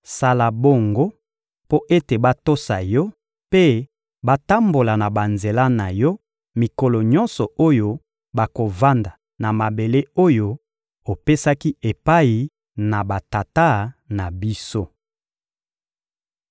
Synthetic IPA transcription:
sa˦la˨bo˦ŋɡo˦ | po˦ʔe˦te˨ba˦to˦sa˨jɔ˦ | pe˦ | ba˦ta˦mbo˨la˨na˨ba˨nze˨la˦na˨jɔ˦ | mi˨ko˨lɔ˨ɲɔ˦nsɔ˨o˦jo˦ | ba˨ko˨va˦nda˨ | na˨ma˨be˨le˦o˦jo˦ | o˨pe˦sa˦ki˦e˨pa˦i˨ | na˨ba˨ta˨ta˦na˨bi˦so˦

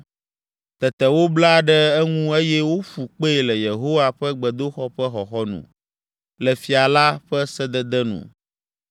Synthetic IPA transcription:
t̪ɛ˨t̪ɛ˨wo˦bla˦˨ɖɛ˦ɛ˦ŋũ˦e˦jɛ˦wo˦fu˨k͡pe˦˨lɛ˨je˨ɦo˦wa˦ɸɛ˦ɡ͡bɛ˨d̪o˦xɔ˦ɸɛ˦xɔ˨xɔ˦nṵ̃˨ | lɛ˨fi˨a˨la˦ɸɛ˦sɛ˦d̪ɛ˦d̪ɛ˦nṵ̃˨

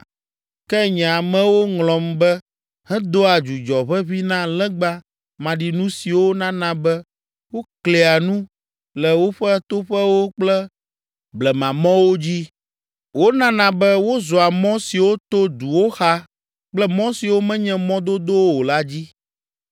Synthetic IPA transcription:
kɛ˦ɲɛ̃˨a˨mɛ̃˨wo˦ŋlɔ̃˨mbɛ˦ | hɛ̃˦d̪o˦a˨d͡ʒu˨d͡ʒɔ˨βɛ˦βi˦nã˦lɛ̃˦ɡ͡ba˦ | mã˨ɖi˨nũ˦si˨wo˦nã˦nã˦bɛ˦ | wo˦kle˨a˨nũ˦ | lɛ˨wo˦ɸɛ˦t̪o˦ɸɛ˦wo˦k͡plɛ˦ | blɛ˨mã˨mɔ̃˦wo˦d͡ʑi˦ | wo˦nã˦nã˨bɛ˦wo˦zɔ˨a˨mɔ̃˦si˨wo˦t̪o˦d̪u˨wo˦xa˦ | k͡plɛ˦mɔ̃˦si˨wo˦mɛ̃˦ɲɛ̃˦mɔ̃˦d̪o˦d̪o˦wwo˨la˦d͡ʑi˦

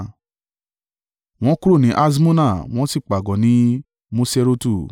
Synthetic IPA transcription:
w̃ɔ̃˦ku˦ɾo˦˨nĩ˨˦ʔa˦s̬i˦mũ˦nã˦˨w̃ɔ̃˦si˦˨k͡pa˨ɡɔ˨˦nĩ˦ | mũ˦se˦˧ɾo˦tu˦˨

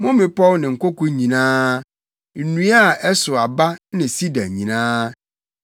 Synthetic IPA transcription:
mʊ̃˦mɪ̃˨pʰɔ˦lnɪ̃˨ŋ̩˨kʰɔ˦ko˦ɲĩ˨nãː˦ | n̩˨nũ˦a˦˨ɛ˦sʊ˨a˨ba˦nɪ̃˨si˦da˨ɲĩ˨nãː˦

